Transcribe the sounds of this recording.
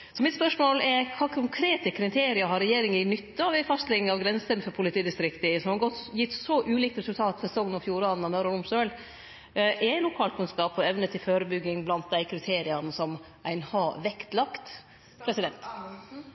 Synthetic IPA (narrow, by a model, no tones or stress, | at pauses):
sɔmɪt̪spœʂmoːlɛɾkʰɑːkʰʊŋkʰɾeːt̪əkʰɾɪt̪ʰeːɾɪɑɦɑɾɛjeːɾɪŋəɾɪnʏt̪ːəɑʋæfɑst̪lɪɡŋɑʋɡɾɛnsənfɔɾpʰʊlɪt̪ʰiːd̪ɪst̪ɾɪkt̪əsɔmhɑɾɡɔt̪jɪt̪ːsɔʔʉːliːk̚t̪ɾɛsʉlt̪ʰɑːt̪fɔsɔŋnɔfjuːɾɑːnn̩ɑmœɾɔɾʊmsøːl | ʔɛɪlʊkʰɑːlt̪kʰʉnskɑːpɔɛʋnət̪ʰɪlføːɾəbʏɡːɪŋblɑnt̪̚d̪æɪkʰɾɪt̪ʰeːɾɪɑnəsɔm | ʔæɪnhɑːʋɛkt̪lɑkt̪ | pʰɾɛsɪd̪ɛnt̪